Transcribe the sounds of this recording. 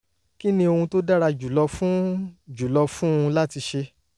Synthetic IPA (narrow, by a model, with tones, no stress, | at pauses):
ki˦nĩ˦o˧hũ˧to˦da˦ɾa˧d͡ʒu˨lɔ˧fũ˦d͡ʒu˨lɔ˧fũ˦ũ˧la˦ti˧ʃe˧